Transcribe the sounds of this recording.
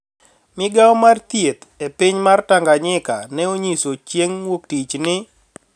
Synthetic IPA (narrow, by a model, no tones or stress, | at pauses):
mɪɡaɔmart̪jet̪epɪɲmartaŋɡaɲɪkanɛoɲisot͡ʃjeŋwoktit͡ʃnɪ